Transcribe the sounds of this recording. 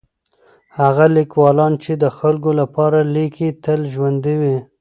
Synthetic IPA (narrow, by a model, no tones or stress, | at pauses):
haɣalikwɑlɑnt͡ʃed̪əxalɡolapɑɾalikʰit̪əlʒwand̪iwi